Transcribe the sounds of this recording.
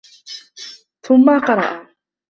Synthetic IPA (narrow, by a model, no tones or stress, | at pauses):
θʊmːaqɑɾˤɑ̰ʔa